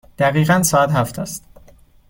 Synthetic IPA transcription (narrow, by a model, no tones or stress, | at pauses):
d̪̥æɣiːʁænsɒːæt̪hæft̪ʰæst̪